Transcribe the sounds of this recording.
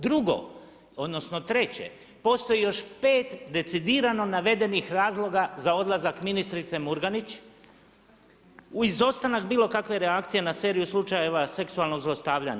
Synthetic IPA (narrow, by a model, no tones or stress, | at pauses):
d̪ɾuɡo̞̰ | o̞d̪no̞sno̞t̪ɾe̞t͡ɕe̞̰ | po̞st̪o̞jijo̞ʃpe̞ːt̪d̪e̞t̪sid̪iːɾano̞naʋe̞d̪e̞nixɾaːzlˠo̞ɡazao̞d̪lˠazakminist̪ɾit̪se̞muɾɡanit͡ɕ | uizo̞st̪anakbiːlˠo̞kakʋe̞ɾeakt̪sije̞nase̞ːɾijuslˠut͡ʃaje̞ʋase̞ksualno̞ɡzlˠost̪aːʋʎa̰ɲa